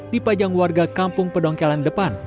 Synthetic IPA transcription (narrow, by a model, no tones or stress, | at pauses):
dipad͡ʒaŋwarɡakampʊŋpədɔŋkɛlandəpan